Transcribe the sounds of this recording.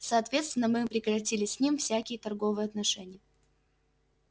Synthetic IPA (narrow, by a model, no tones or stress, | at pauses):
sɐːt̪vʲet̪st̪vʲɪnːəmɨpɾʲɪkɾɐtʲilʲɪsʲsʲnʲimfsʲækʲɪjət̪ɐrɡo̞vɨjəɐt̪nɐʂɛnʲɪjə